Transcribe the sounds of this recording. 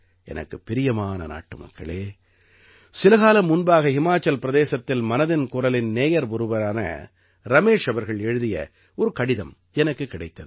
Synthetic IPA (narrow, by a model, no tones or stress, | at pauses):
ɛ̰nɐ̰kːɯpːɪɾɪjɐmaːnɐ̰na̰ːʈːɯmɐ̰kːɐ̰ɭeː | sɪlɐɣaːlɐmːʊnbaːɣɐhɪmaːt͡ʃːɐlpɪɾɐðeːsɐt̪ːɪlmɐnɐðɪnkʊɾɐlɪnneːjɐɾbʊɾɯʋɐɾaːnɐ̰ | ɾɐmeːʂɐʋɐɾɣɐɭɛɻɯðɪjɐ̰ | ɔɾɯkɐɽɪðɐm | ɛnɐkːɯkːɪɽɐɪt̪ːɐðɯ